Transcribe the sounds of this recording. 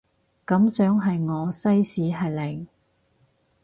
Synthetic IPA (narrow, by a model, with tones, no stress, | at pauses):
kɐ˨˥msœː˨˥ŋɦɐ˨jŋɔː˨˧sɐ˥jsiː˨˥ɦɐ˨˩jlɪ˨˩ŋ